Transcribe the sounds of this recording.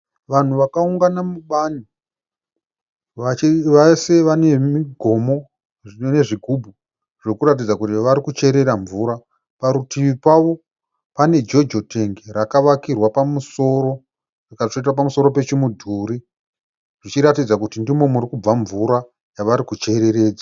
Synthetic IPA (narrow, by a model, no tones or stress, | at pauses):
ʋan̤uʋakauŋɡanamuɓani | aʋaseʋane̞miɡʱo̞mo̞ | ʐinone̞ʐiɡʱubʱu | ʐ̥ekuɾat̬id͡zakutiʋaɾikut͡ʃe̞ɾe̞ɾaɱvuːɾa | paɾutiʋipaʋo̞ | pane̞d͡ʒo̞d͡ʒo̞te̞ŋɡeɾakaʋakirwapamusoɾo | rikaʂoitwapamuso̞ɾo̞pe̞t͡ʃimudʱuːɾi | ʐ̥it͡ʃiɾatid͡zakutindimo̞muɾikub͡vaɱvuɾa | jaʋaɾikut͡ʃe̞ɾe̞ɾe̞ːd͡za